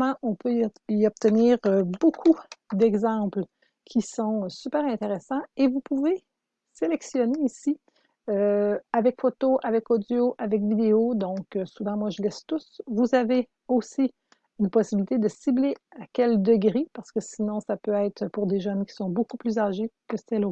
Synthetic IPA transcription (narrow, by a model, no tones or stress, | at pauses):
mɑ̃ʔɔ̃pøiɔb̚t̪əniːʁøbokʰud̪ɛɡzɑ̃pl | kʲʰisɔ̃sypɛːʁɛ̃t̪eʁesɑ̃evupuve | selɛksjɔneisi | øavɛkfot̪oʔavɛkod̪joʔavɛk̬vid̪eod̪ɔ̃køsuvɑ̃mwaʒəlɛst̪ʊsvuzave | osi | ynpɔsibilit̪ed̪əsibleakʲɛld̪əɡʁepaʁsə̥kəsinɔ̃sapøɛːt̪χpuʁd̪eʒœnkʲi̥sɔ̃bokuplyzaʒekəssɛlo